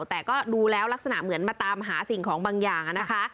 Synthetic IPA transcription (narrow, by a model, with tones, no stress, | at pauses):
wt̪ɛː˨˩kɔː˥˩duː˧lɛː˦˥wla˦˥k̚sa˧na̰˨˩ʔmɯ˩˦ənmaː˧t̪aː˧mɦaː˩˦si˨˩ŋkʰɔː˩˦ŋbaː˧ŋjaː˨˩ŋa˨˩na˦˥kʰa˦˥